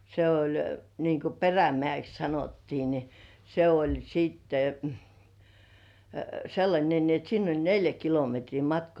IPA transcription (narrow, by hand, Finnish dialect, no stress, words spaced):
se olʲ niŋku peræmĕæˑks sɑnotːiː ni se olʲ siːtːe selːɑnʲe ni et sinː olʲ neljæ kilometriː mɑtkŏɑˑ